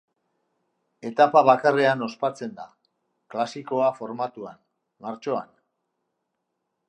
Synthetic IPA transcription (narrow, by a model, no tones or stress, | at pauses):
e̞t̪apaβ̞akare̞ano̞spat͡se̞nd̪a̰ | klasiko̞afo̞ɾmat̪uan | maɾt͡ʃo̞a̰n